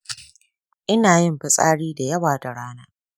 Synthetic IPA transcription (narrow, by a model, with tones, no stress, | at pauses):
ʔɪ˦naː˨jɪ˦mɸɪ˨sʼaː˦ɽiː˦da˨jɐ˦waː˨da˨ɽaː˦naː˦